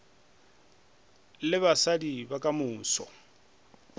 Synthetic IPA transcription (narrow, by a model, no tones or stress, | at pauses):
lɪβasadibakʼamʊːsɔ̰